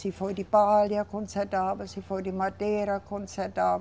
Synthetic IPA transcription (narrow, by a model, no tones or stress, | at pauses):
sifoid̪ipɑːljɑkonsæd̪ɑːʋɑsifoid̪imɑd̪eːɾɑkʰonsæd̪ɑːʋ